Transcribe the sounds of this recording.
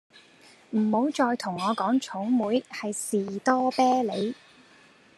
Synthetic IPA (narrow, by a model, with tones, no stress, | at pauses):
m̩˨˩ho˨˥wt͡ʃɔː˧jt̪ʰʊ˨˩ŋɔː˨˧kɔː˨˥ŋt͡ʃʰʊ˨˥wmuː˨˥jhɐ˨jsiː˨t̪ɔː˥pɛː˥le˨˧j